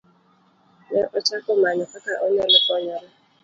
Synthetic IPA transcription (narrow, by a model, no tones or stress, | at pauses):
nɛʔɔt͡ʃakʊmaɲɔkakaʔoɲɛlʊkɔɲɔɾa